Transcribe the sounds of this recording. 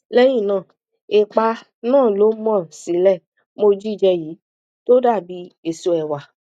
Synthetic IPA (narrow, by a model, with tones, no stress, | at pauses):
lɛ˦j̃ĩ˦˨nãː˦˨ | e˧k͡pa˧ | nãː˦˨lo˨˦mɔ̃˦˨si˨˦lɛ˦˨ | mo˧d͡ʒi˦˨d͡ʒɛ˧ji˨˦ | to˦da˦˨bi˨˧˦e˧so˧˦ɛ˧wa˨